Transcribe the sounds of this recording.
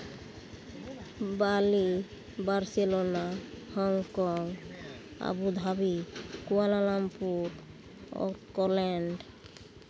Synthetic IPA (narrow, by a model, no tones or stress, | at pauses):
bali | baɾselonahɔŋkɔŋ | a̰bud̪ʱabikualalampuɾ | o̰kɔlɛɳɖ